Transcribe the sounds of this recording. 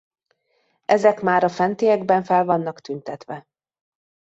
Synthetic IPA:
ɛzɛkmaːɾɒfɛnt̪eːjɛɡbɛɱfɛlvɒnːɒkt̪ynt̪ɛt̪ʋɛ

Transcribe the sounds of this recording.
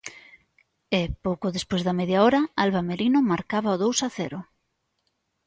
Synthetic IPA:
epowkʊðespojzðɐmeðjaɔɾɐalβameɾinʊmaɾkaβɐoðowsaθɛɾʊ

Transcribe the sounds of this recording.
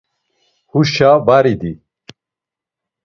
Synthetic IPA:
huʃaːbaɾid̪i

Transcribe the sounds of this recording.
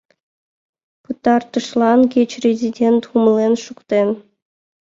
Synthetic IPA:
pɯt̪ɑrt̪ɤ̆ʂlˠɑnkʲet͡ɕrʲezʲidʲent̪umlʲˠenʃukt̪en

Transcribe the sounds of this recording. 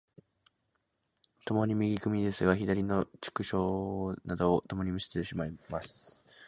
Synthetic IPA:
t̪o̞mo̞ɲ̟imʲiɡʲikɯ̟mʲid̪e̞sɨɡaçid̪aɾʲino̞t͡ɕɨ̥kɯ̟ɕo̞ːnad̪o̞ːt̪o̞mo̞ɲ̟imisi̥t̪eɕimaimasɨ

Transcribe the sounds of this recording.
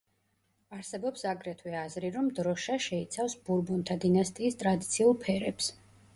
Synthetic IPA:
aɾsɛbɔpsaɡɾɛt̪ʰwɛazɾiɾɔmd̪ɾɔʃaʃɛit̪sʰafsbuɾbunt̪ʰad̪inast̪ʼiːst̪ʼɾad̪it̪sʰiulˠpʰɛɾɛps

